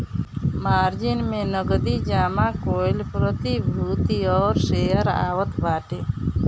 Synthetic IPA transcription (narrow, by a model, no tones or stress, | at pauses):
maːɾd͡ʒinmenəɡd̪id͡ʒaːmakojlpɾət̪ibʱɾut̪iɔːɾsejəɾa̰ːwət̪baːʈe